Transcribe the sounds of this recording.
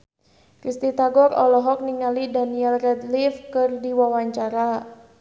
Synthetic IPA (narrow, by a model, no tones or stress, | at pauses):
kɾist̪it̪aɡɔɾɔlɔɦɔk̚niŋalidaniɛlrɛd̪lifkɨrdiwawaɲt͡ʃaɾa